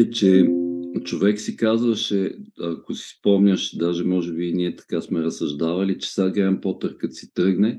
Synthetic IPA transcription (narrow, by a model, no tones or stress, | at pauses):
t͡ʃɛ | t͡ʃovɛksikazvəʃɛɐkosi̥spɔmnʲəʃd̪aʒɛmɔʒɛbiniɛt̪ɐ̥kasmɛɾɐsɐʒd̪avɐlit͡ʃɛ̥saɡlampɔt̪əɾkət̪si̥t̪ɾɤɡnɛ